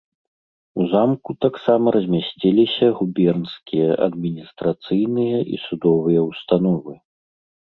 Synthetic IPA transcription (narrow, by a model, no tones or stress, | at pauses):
uzamkut̪aksamɐɾɐzʲmʲasʲt͡sʲilʲisʲɐɣubʲɛrnskʲijɐʔɐ̰d̪mʲinʲist̪ɾat̪sɨjnɨjɐʔḭsud̪ɔvɨjɐwst̪an̪ɔvɨ